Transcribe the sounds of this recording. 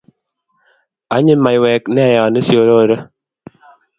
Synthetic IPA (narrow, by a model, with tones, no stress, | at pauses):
a˨˦ɲɪ˦ma˨i˨wɛ˨knɛ˦a˨ja˨ne˦sjo˨˦ɾo˦˨ɾə˦